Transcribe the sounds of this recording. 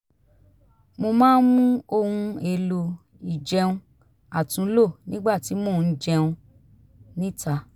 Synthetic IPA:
mo˧mãː˦n˦mũ˦o˧hũ˧e˧lo˧ | i˨d͡ʒɛ˧ũ˧ | a˨tũ˨˦lo˦˨nĩ˦ɡ͡ba˦˨ti˨˦mo˦˨˧d͡ʒɛ˧ũ˧ | nĩ˦ta˧

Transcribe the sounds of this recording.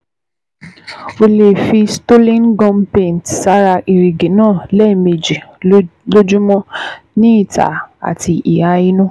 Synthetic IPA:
o˧le˨fi˧sto˦lĩ˦nɡɔ̃˦mpẽ˨n˨tsa˧ɾa˧ʔi˨ɾi˨ɡe˨nãː˦˨lɛ˦˨mi˨d͡ʒi˨lo˦d͡ʒu˦mɔ̃˦nĩ˦i˦˨ta̰˨a̰˨ti˧ʔi˨ha˧i˦nũ˦

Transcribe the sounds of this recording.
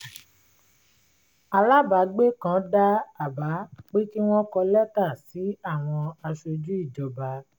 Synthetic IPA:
a˧la˦ba˨˦ɡ͡be˦kã˦da˦a˦˨ba˨˦k͡pe˦ki˦w̃ɔ̃˦kɔ˧lɛ˦ta˦˨si˨˦a˦˨w̃ɔ̃˧a˧ʃo˧d͡ʒu˦i˦˨d͡ʒɔ˨ba˨˦

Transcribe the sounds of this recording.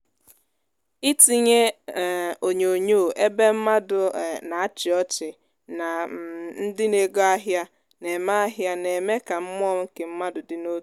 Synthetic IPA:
i˦ti˨ɲe˦˨ | o˨ɲ˨o˨ɲo˦˨ʔe˦be˦m̩˦ma˦dʊ˨na˨a˦t͡ʃɪ˨ɔ˦t͡ʃɪ˨ | na˨n̩˦dɪ˦ne˨ɡo˦a˦ɦja˦ | ne˨ma˦a˦ɦja˦ne˨me˦ka˨m̩˦m˦ɔ˦ŋ̩˦ke˨m̩˦ma˦dʊ˨dɪ˨no˦

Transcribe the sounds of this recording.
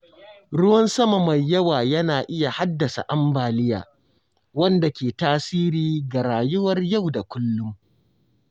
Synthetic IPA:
ɽʊ˦wɐ˦nsɐ˦ma˨ma˨jːɐ˦waː˨jɐ˦naː˨ʔɪ˦ja˨ha˦dːɐ˨sa̰˨ʔa˦mbaː˨lɪ˦ja̰ː˨ | wɐ˦nda˨kʲeː˨taː˦siː˦ɾiː˦ɡa˨ɾaː˨jʊ˦wɐ˦rja˦˨wda˨kʷʊ˦lːʊ˦m

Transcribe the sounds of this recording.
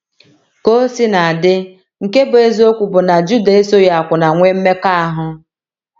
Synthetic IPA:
ko˦si˦na˨a˨dɪ˦ | ŋ̩˨ke˦bʊ˨e˦zo˦kʷu˨bʊ˨na˨d͡ʒu˦de˨e˦so˦ja˨a˨kʷʊ˨na˨ŋʷe˦m̩˦me˦ka˦a˦ɦʊ˦

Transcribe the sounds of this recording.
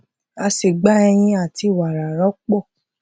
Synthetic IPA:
a˧si˨ɡ͡ba˨˦ɛ˧j̃ĩ˧a˦˨ti˧˦˨wa˨ɾa˨ɾɔ˨˦k͡pɔ˦˨

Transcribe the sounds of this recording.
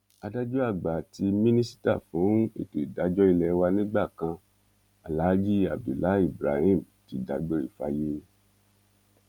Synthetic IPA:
a˧da˦d͡ʒu˦a˦˨ɡ͡ba˨ti˧mĩ˦nĩ˦si̥˦ta̰˦˨fũ˨˦ḭ˦˨ke˨da˨˦d͡ʒɔ˦i˧lɛ˧˦wa˧nĩ˦ɡ͡ba˦˨kã˧ | a˨la˨˦d͡ʒi˦a̰˨bi˨la˨˦i˦˨bɾa˨˧hĩ˦˨m˨ti˨˦da˧˦ɡ͡be˦ḭ˦˨fa˧je˦

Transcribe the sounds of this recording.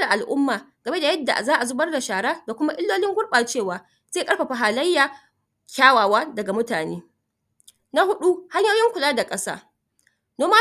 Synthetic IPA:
da˨ʔa˨lʔʊ˦mːaː˨ɡ̥ɐ˨me˦da˨jɐ˦dːa̰˨ʔa˨zaː˦ʔa˨zʊ˦bɐ˦rda˨ʃaː˨ɽaː˦da˨kʷʊ˦ma˦ʔɪ˦lːoː˦lɪ˦ŋɡʷʊ˦ɽɓaː˨t͡ʃeː˦˨waː˨˦ | z̥eː˦˨kʼɐ˦ɽɸa˨ɸa˨ɦaː˨lɐ˦jːaː˨ | kʲaː˦waː˨waː˦dɐ˨ɡa˨mʊ˦taː˨nḛː˦ | na˦hʊ˦ɗu˦ha˦ɲjaː˦jɪ˦ŋkʷʊ˨laː˦da˨kʼɐ˦sa̰ː˦ | noː˦ma˦

